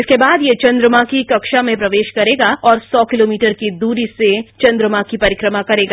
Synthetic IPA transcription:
ɪskebaːd̪jet͡ʃɐ̃nd̪ɾəmakikɐkʃamẽpɾɐʋeːʃkɐɾeːɡaɔːɾsɔːkɪloːmiːʈəɾkid̪uːɾiset͡ʃɐ̃nd̪ɾəmakipɐɾɪkɾəmakɐɾeːɡa

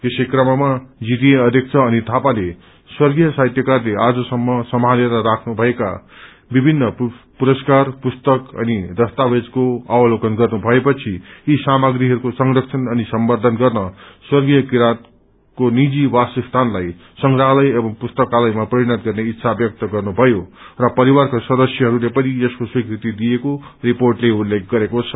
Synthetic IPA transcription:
t̪esejkrʌmʌmad͡zit̪ieʌd̪ʱjek̚t͡sʰʌːnit̪ʰapale | swʌrɡijʌsat̪jʌkarlead͡zʌsʌmːʌsʌmɦaneɾʌɾakʰnubʱʌeka̰ | bibʱinːʌpuɾʌskarpust̪ʌkʌ̰nid̪ʌst̪abed͡zkoawʌlokʌnɡʌrnubʱʌepʌt͡sʰiisamaɡɾiɦʌɾukosʌŋɾʌkt͡sʰʌnʌnisʌmbʌrd̪ʱʌnɡʌrnʌswʌrɡijʌkiɾat̪̚ | konid͡zibasust̪ʰanlaj | sʌŋɡraɦlʌjʌbʌŋpust̪ʌkalʌjmaprʌɾiɽʌt̪ɡʌrneit̪ːsʰabjʌk̚t̪ʌɡʌrnubʱʌjorʌpʌɾiwarkaswʌd̪ʌsjʌɦʌɾulepʌniʌskoswikrit̪id̪ijekoriporʈleulek̚ʰɡʌɾekot͡sʰʌ̥

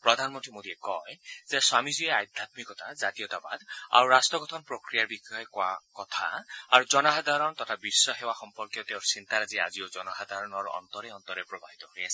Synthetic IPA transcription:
pɾɔd̪ʱanmɔnt̪imod̪iekɔjzeswamizieajd̪ʱat̪mikɔt̪azat̪ijɔt̪aba̰d̪a̰ɾuɾastɔɡɔt̪ʰɔnpɹokɾijaɹbikɔɔkoa̰kɔt̪ʰa̰aɾuzɔnɔɦad̪ʱaɾɔnt̪ɔt̪ʰabisːɔxewaxɔmpɔɾkjɔt̪ewɾsint̪aɾazia̰ziod͡ʒɔnɔɦad̪ʱaɾɔnɔɾuʔɔ̰nt̪ɔɾeɔnt̪ɔɾepɾɔbaɦit̪ɔɦoɾiasʰi̥

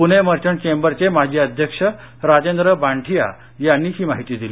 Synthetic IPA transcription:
puneməɾt͡ɕəɳt͡ɕembəɾt͡semad͡ʑʱiəd̪ʱjəkʂə | ɾad͡ʑend̪ɾəbaɳʈʰija̰ | janːiːɦiːma̰ɦit̪iːd̪iliː

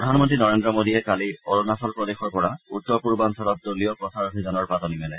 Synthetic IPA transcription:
ɔdʱanmɔntɹinɔɹendɹɔmodiɛkalioɹɔnasɔlpɹɔdexɔɹpɔɹautːɔɹpuɹbansɔlɔt̚dolijɔpɹɔsaɹasizanɔɹpatɔnimɛlɛ

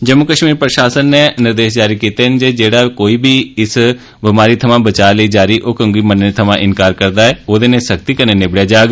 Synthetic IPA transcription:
d͡ʒəmʊkəʃmiːɾpɾəʃaːsənːeːnɪɾd̪eːʃd͡ʒaːɾiːkiːt̪eːɦnd͡ʒeːd͡ʒeːɽaːkoːiːbʱiːɪs | bɪmaːɾiːt̪ʰəmãːbət͡ʃaːləiːd͡ʒaːɾiːʔoːkəŋɡiːmənet̪ʰəmãːʔɪnkaːɾkəɾd̪aːɛːoːd̪eːnẽːsək̚t̪iːkəneːnɪbɽjaːd͡ʒaːɡ

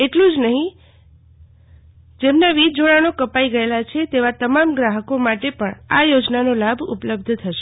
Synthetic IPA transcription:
eʈlũd͡ʒnəɦĩ | d͡ʒemnaʋid͡ʒoɭanokəpaiɡəelat͡ʃʰet̪eʋat̪əmamɡɾaɦəkomaʈepəɳajod͡ʒnanolabʱṵpləb̚d̪ʱt̪ʰəʃe̥

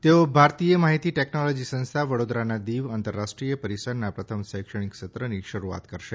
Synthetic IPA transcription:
t̪eobʱaɾt̪ijəmaɦit̪iʈeknɔlɔd͡ʒisə̃nst̪ʰaʋəɽod̪ɾanad̪iʋant̪əɾːaʃʈɾijəpəɾisəɾnapɾət̪ʰəmsəjkʂəɳ̃ikʃət̪ɾəniʃəɾua̰t̪kəɾʃe

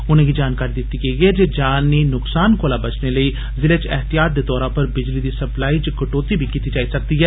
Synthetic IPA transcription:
ʊnẽːɡiːd͡ʒaːnkaːɾiːd̪ɪt̪ːiɡəiɡɛːd͡ʒeːd͡ʒaːnːiːnʊksaːnkoːlaːbət͡ʃneləiː | zɪlet͡ʃɛɦt̪ijaːt̪̚d̪eːd̪ɔːɾãːpəɾbɪd͡ʒliːd̪iːsəplaːiːt͡ʃkəʈoːt̪ibʱikiːt̪id͡ʒaːisək̚d̪iːɦɛː

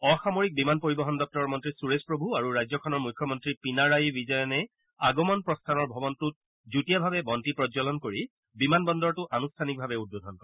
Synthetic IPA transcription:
ɔxamoɹik̚bimanpoɹibɔɦɔndɔk̚tɔɹɔɹmɔntɹisuɹespɹobʱuaɹuɹajzɔkʰɔnɔɹmujkʰːjɔmɔntɹipinaɹajbizɔjɔnɛ | aɡɔmɔnpɹɔstʰanɔɹbʱɔbɔntut̚ | zutijabʱabɛbɔntipɹɔzɔlɔnkoɹi | bimanbɔndɔɹtʊʔanustʰanik̚bʱabɛud̚bodʱɔnkɔɹɛ

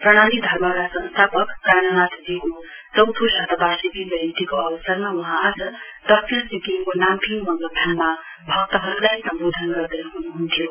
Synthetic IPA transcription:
prʌɽ̃anid̪ʱʌɾmʌlasʌ̃nst̪ʰapʌkːanʌnat̪d̪iko | t͡sʌwt̪ʰusʌt̪ʌbasibibʌjnit̪ikoʌbʌsʌrmawuɦãːd͡zʌ | d̪̥ʌk̚sisik̪ikonampʰimʌŋɡʌd̪ʰʱanma | bʱʌk̚t̪ʌɦʌɾulajsʌmbod̪ʱʌnɡʌɾd̪ʌɦunuɦunt̪ʰijo

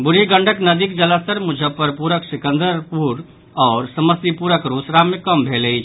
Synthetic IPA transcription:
buɾiɡəɳɖʱəknəd̪ikd͡ʒələst̪əɾmud͡ʒʱəpəɾpuɾəksikənd̪əɾpuɾ | ɔːɾsəməsipuɾəkɾosɾamekəmbʱeləjt͡ʃʰ

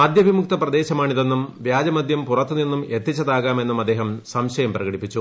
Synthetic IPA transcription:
mɐd̪ʱjɐʋimuk̚t̪ɐprɐd̪e̞ːɕɐmaːɳiðenːumʋjaːd͡ʑɐmɐd̪ʱjɐmpurɐt̪ːuninːumet̪ːit͡ɕːɐðaːɣaːme̞nːumɐd̪ːe̞ːɦɐmsɐmɕɐjɐmprɐɣɐɽipːit͡ɕːu

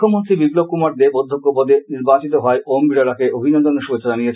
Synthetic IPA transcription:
omont̪ɾibiɡlokːumaɾd̪ebod̪ʱːokːopɔd̪eniɾbat͡ɕit̪oɦɔeʔombiɾaɾakeʔobʱinɔnd̪onʃubet͡ɕːʰod͡ʑanijet͡ɕʰ

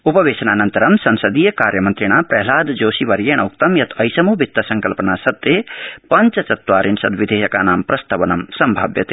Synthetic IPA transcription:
upɐʋeːsɐnaːnɐnt̪ɐɾɐmsɐnsɐd̪ijɐkaːɾjɐmɐnt̪ɾiɳ̃aːpɾɐɦlaːd̪d͡ʒoːsiʋɐɾjeːɳ̃ɐuk̚t̪ɐmjɐt̪ʰɐjsɐmubʱit̪ːɐsɐŋkɐlpɐnaːsɐt̪ːeːpɐɲt͡ʃɐt͡ʃɐt̪ʋaːɾinsɐd̪ʋid̪ʱeːjɐkaːnaːmpɾɐst̪ɐʋɐnɐmsɐmbʱa̰ːbjɐt̪e

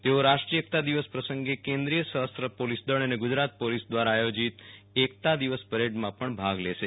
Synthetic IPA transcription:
t̪eoɾaʃʈɾiek̚t̪ad̪iʋəspɾəsəŋɡekẽnd̪ɾijəsəɦəst̪ɾəpolisd̪əɭəneɡʊd͡ʒɾat̪̚polisd̪ʋaɾaːjod͡ʒit̪ | ek̚t̪ad̪iʋəspəɾeɖmãpəɳbʱaɡleʃe

